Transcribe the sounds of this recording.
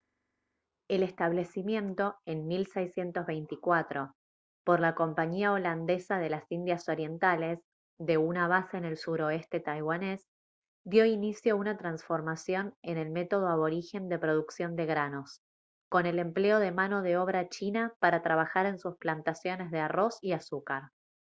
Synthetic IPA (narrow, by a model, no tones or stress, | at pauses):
ele̞st̪aβ̞le̞simjẽ̞nt̪o̞e̞nmilsejsje̞nt̪o̞zβejnt̪ikwat̪ɾo̞ | po̞ɾlako̞mpaɲiao̞land̪e̞saðe̞lasind̪jaso̞ɾje̞nt̪ale̞s | ðe̞unaβ̞aseːne̞lsuɾo̞est̪e̞t̪ajɣwane̞s | d̪jo̞inisjounat̪ɾansfo̞ɾmasjo̞nene̞lmet̪o̞ð̞oaβo̞ɾixe̞nd̪e̞pɾo̞ð̞uksjo̞nd̪e̞ɣɾano̞s | ko̞ne̞le̞mple̞o̞ðe̞mano̞ðeo̞β̞ɾat͡ʃinapaɾat̪ɾaβ̞axaɾe̞nsusplant̪asjo̞ne̞zð̞earo̞siasukaɾ